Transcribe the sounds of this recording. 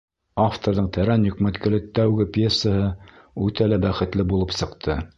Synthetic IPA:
aft̪oɾðɤɴt̪ʰæɾænjɵ̆kmæt̪kɘ̆lɘt̪æwɡɘpʲjesːəɦɤ | ʉt̪ælæbæχɘ̆t̪lɘbulˠɤpsɤ̆qt̪ʰɤ

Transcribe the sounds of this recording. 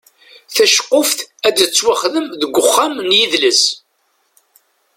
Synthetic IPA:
θæʃqːʊfθæd̪ət͡sːwaχðəmðəɡʷːʊχːamnjiðləs

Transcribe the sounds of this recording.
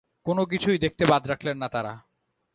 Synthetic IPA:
konok̬it͡ɕʰujd̪ek̚ʰt̪ebad̪ɾakʰlenːat̪aɾa̰

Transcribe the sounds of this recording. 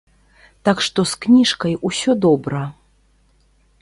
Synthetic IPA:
t̪akʂt̪ɔsknʲiʂkɐjusʲɔd̪ɔbɾɐ

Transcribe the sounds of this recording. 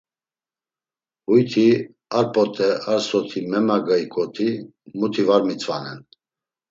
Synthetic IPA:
hujt̪ʰi | aɾpʼɔt̪ʰʼɛʔaɾsɔt̪ʰimɛmaɡaikʼɔt̪ʰi | mut̪ʰivaɾmit͡sʰʼvanɛn

